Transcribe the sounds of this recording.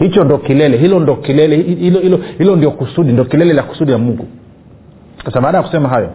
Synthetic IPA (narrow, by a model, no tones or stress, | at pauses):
hit͡ʃɔndiɔkilɛlɛɦilɔndɔkilɛlɛilɔhilɔhilɔndiɔkusuɗindiɔkilɛlɛlaku̥suɗijamuŋɡu | kasaɓaːɗajaku̥sɛmaɦajɔ